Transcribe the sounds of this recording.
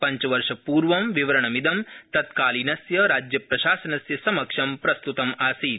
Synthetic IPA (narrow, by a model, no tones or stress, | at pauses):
pɐɲt͡ʃʋɐɾʂɐpuːɾʋɐmʋiʋɐɾɐɳ̃ɐmid̪ɐmt̪ɐt̪kaːlinɐsjɐɾaːd͡ʒjɐpɾɐʃaːsɐnɐsjɐsɐmɐkʂɐmpɾɐst̪ut̪ɐmaːsiːt̪